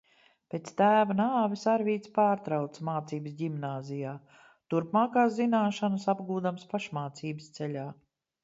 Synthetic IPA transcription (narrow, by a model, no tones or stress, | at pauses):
peːt̪st̪æːvanaːvisaɾvʲiːt̪spaːɾt̪ɾawt̪smaːt̪siːbəsɟimnaːzijaː | t̪uɾpmaːkaːszinaːʃanəsabɡuːd̪amspaʃmaːt̪siːbəst̪sɛlʲaː